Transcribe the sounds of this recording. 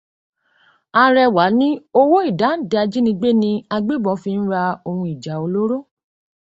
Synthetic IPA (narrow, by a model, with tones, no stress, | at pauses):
a˧ɾɛ˧wa˨˦nĩ˦o˦wo˦i˦˨da˨˦n̩˦˨dɛ˧a˧d͡ʒi˦nĩ˧ɡ͡be˦nĩ˧a˧ɡ͡be˦bɔ̃˨˦fi˧n̩˦ɾa˧o˧hũ˧i˨d͡ʒa˨o˧lo˦ɾo˦˨